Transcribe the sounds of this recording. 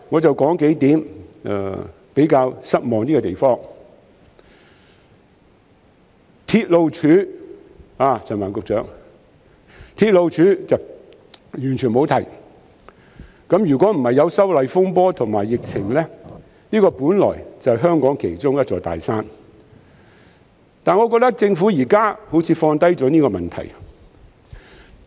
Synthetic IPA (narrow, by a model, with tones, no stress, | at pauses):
ŋɔː˨˧t͡sɐ˨wkɔː˨˥ŋke˨˥jt̪iː˨˥m̰ː˨˧ | pe˨˥jkaː˧wsɐ˥t̚mɔː˨ŋniː˥kɔ˧t̪e˨jfɔː˥ŋ | t̪ʰiː˧t̚lo˨˧wt͡ʃʰyː˨˧˥ | aː˨˩t͡sʰɐ˨nmaː˨˩nkʊ˨k̚t͡sœː˨˥ŋ | t̪ʰiː˧t̚lo˨˧wt͡ʃʰyː˨˥t͡sɐ˨ | jyː˨˩nt͡ʃʰy˨˩mo˨˧wt̪ʰɐ˨˩j | kɐ˨˥mjy˨˩kʷɔ˨˥m̩˨˩hɐ˨jːɐ˨˧wsɐ˥wlɐ˨jfʊ˥ŋp̬ɔː˥t̪ʰʊ˨˩ŋmaː˨jːɪ˨k̚t͡sʰɪ˨˩ŋlɛː˥ | niː˥kɔː˧puː˨˥nlɔ̰ː˨˩jt͡sɐ˨ɦœː˥ŋkɔː˨˥ŋkʰe˨˩jt͡sʊ˥ŋjɐ˥t̚t͡sɔː˨˧jt̪a̰ː˨˩jsaː˥n | t̪aː˨nŋɔː˨˧kɔː˧k̚t̪ɐ˥k̚t͡sɪ˧ŋfuː˨˥jiː˨˩kaː˥ho˨˥wt͡sʰiː˨˧fɔː˧nt̪ɐ˥jt͡sɔː˨˥niː˥kɔː˧mɐ˨˩nt̪ʰɐ̰˨˩j